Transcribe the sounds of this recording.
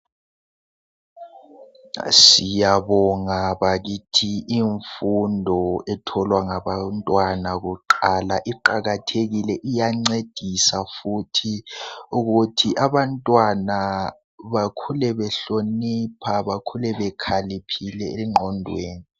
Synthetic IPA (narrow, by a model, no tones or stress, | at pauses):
sijaβɔŋaβaɣitʰiʔiɱfundʱɔɛtʰɔlwaŋaβantʼwanaɣuǃalaʔiǃaɣatʰeɣilɛʔijaŋ͡ǀed̥ʱisafutʰiuɣutʰiʔaβantʼwana | βakʰulɛβɛɬonipʰaβakʰulɛβɛkʰalipʰilɛeŋ͡ǃʱɔndʱweːni